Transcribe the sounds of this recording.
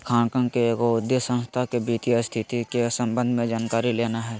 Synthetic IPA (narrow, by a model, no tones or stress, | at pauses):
kʰaːnkə̃ŋkekoʊd̪jəsə̃nst̪ʰakebiːt̪ijast̪ʰɪt̪ikesə̃mbə̃nd̪ʱmẽd͡ʒaːnkaːɾileːnaɦɛː